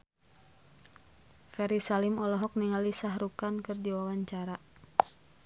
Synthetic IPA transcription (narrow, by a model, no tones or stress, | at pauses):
fɛɾisalimɔlɔɦɔk̚niŋalisaɦrukankɨrdiwawaɲt͡ʃaɾa